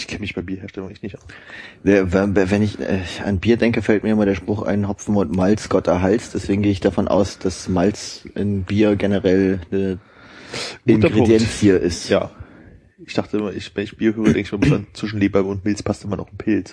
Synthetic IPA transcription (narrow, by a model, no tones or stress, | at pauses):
ʔɪçkʰɛnəmɪçb̥aɪbiːɐheːɐʃtɛlʊŋɛçtnɪçt | avɛvɛnɪçɛ̰ːa̰nbiːɐdɛŋkəfɛlt̚miɐɪmɐɾeːɐʃpʁ̥ʊχa̰ɪnɦɔfn̩mɔtmalt͡sɡ̥ɔtɐɦalt͡sd̥ɛsv̥eːɡŋ̩ɡeːəɪçd̥afɔnʔa̰ʊsd̥asmalt͡sʔɪ̰nbiːɐɡenəʁɛlnə | ɡ̥ɪnɐɡʁeʊŋdjɛnshiːɐʔɪstja̰ː | ɪçd̥aχtəɪmɐʔɪçvɛnɪçb̥iːɐhøːʁədɛŋkəɪçmiːɐbɪsant͡sv̥ɪʃn̩leːbaɐbəʊntmɪlt͡spʰastʔɪmɐnɔχɪnpʰɪlt͡s